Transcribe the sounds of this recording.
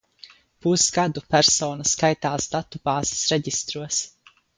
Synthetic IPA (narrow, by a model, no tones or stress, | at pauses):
pusɡad̪upæɾsoːnɐskajt̪aːsd̪at̪ːub̥aːz̥ɪ̥sɾɛɟist̪ɾuɔs